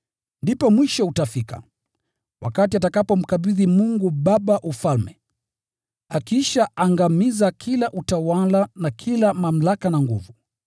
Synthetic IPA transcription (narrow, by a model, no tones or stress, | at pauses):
ndipɔmwiʃɔutafika̰ | wʔa̰katiatakapɔm̩kaɓiðimuŋɡuɓaɓaʔufalmɛ | akiʃaʔaŋɡamizakʰilaʔutawalanakʰilamam̩lakanaŋɡṵvu